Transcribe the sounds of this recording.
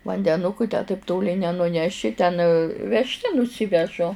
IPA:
ʋɐnʲdʲɛˈnʊkʊ tʲæː tɐɪp ˈtoːlʲɪ nʲɛnʊˈnʲæːʃʲɪ tʲɛn ʋʲɛʃʲˈtʲɛ nʊˈsʲɪʋʲɛʒʊ

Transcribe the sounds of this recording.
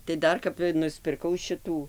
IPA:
tɐɪ ˈdɐr kɐp nʊsʲpʲɪrˈkɐʊ ˈʃʲɪtuː

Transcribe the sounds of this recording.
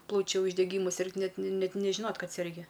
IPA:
ˈplˠɐʊt͡ʃʲʊ ʊʒʲdʲɛˈɡʲiːmʊ ˈsʲɪrkt ˈnʲɛt ˈnʲɛt nʲɛʒʲɪˈnoːt ˈkɐt sʲɛrʲˈɡʲɪ

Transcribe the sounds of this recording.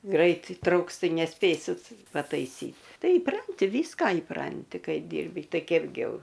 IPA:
ˈɡrɐɪt iːˈtrɐʊks ˈtɐɪ nʲɛˈsʲpʲeːsʲɪt pɐtɐɪˈsʲiːt ˈtɐɪ iːˈprɐnʲtʲɪ ˈʋʲiːskɐ iːˈprɐnʲtʲɪ ˈkɐɪ ˈdʲiːrʲbʲɪ ˈtɐɪ ˈkʲæːbʲɡʲɪ ˈjɛʊ

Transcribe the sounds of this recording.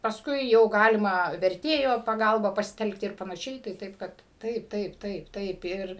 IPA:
pɐsˈkʊɪ jɛʊ ˈɡɑːlʲɪmɐ ʋʲɛrʲˈtʲeːjoː pɐˈɡɐlˠbɐ pɐsʲɪˈtʲɛlˠktʲɪ ɪr pɐnɐˈʃʲɛɪ tɐɪ ˈtɐɪp ˈkɐt ˈtɐɪp ˈtɐɪp ˈtɐɪp ˈtɐɪp ɪr

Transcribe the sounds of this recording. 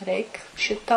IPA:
ˈrʲɛɪk ˈʃʲɪtɐ lˠɐɪ

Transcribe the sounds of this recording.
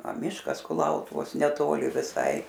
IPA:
ɐ ˈmʲɪʃkɐs kʊˈlˠɐʊtʊʋoːs nʲɛˈtoːlʲɪ ʋʲɪˈsɐɪ

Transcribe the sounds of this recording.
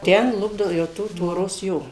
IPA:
ˈtʲɛn ˈlˠʊbdɐʋoː jɛʊ ˈtuː tʋoːˈroːs ˈjoː

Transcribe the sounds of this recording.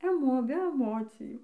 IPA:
ɛˈmoː bʲɛ ɛˈmoːt͡sʲɪjuː

